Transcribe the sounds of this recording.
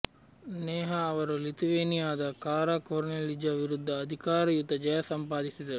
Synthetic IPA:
neːɦaːʋɐɾulit̪iʋeːnijaːd̪ɐkaːɾaːkoːɾnelːid͡ʒaːʋiɾud̪ʱːɐːd̪ʱikaːɾɐjut̪ɐd͡ʒɐjɐsɐmpaːd̪isid̪ɐɾu

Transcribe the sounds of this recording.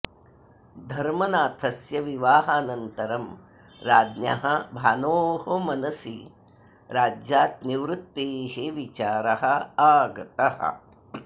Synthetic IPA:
d̪ʱɐɾmɐnaːt̪ʰɐsjɐʋiʋaːɦaːnɐnt̪ɐɾɐm | ɾaːd̪njɐ̰ɦɐbʱaːnoːɦomɐnɐsi | ɾaːd͡ʒjaːt̪̚niʋɾut̪ːeːɦeʋit͡ʃaːɾɐɦɐaːɡɐt̪ɐhɐ̰

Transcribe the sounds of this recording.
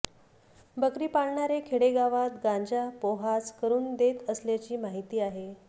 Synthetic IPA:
bəkɾiːpaɽɳaɾekʰeɽeɡaʋat̪ɡãɲd͡ʑapoɦaskəɾuːnd̪et̪əsljat͡ɕiːmaɦit̪iːaɦe

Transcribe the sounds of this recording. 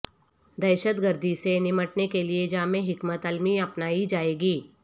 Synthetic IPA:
d̪ɛːʃət̪ɡəɾd̪ʱisenɪməʈnekelied͡ʒaːmẽɦɪkmət̪əlmiɐpnaːid͡ʒaːeːɡiː

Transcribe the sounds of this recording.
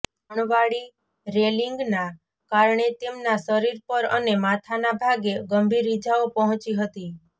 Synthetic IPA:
əɳ̃ʋaɭi | ɾeliŋɡna | kaɾɳet̪emnasəɾiɾpəɾənemat̪ʰanabʱaɡeɡəmbʱiɾid͡ʒaopəɦɔ̃t͡ʃiɦət̪i

